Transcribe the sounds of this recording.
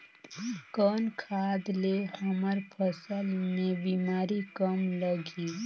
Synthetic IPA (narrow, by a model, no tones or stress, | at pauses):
kɔːnkʰaːd̪lehɐməɾpʰəsəlmẽbiːmaːɾikəmləɡiː